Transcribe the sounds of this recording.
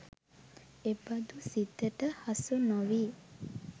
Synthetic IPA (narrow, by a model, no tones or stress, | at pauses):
ebɐd̪usit̪ːəʈəhɐsunoʋiː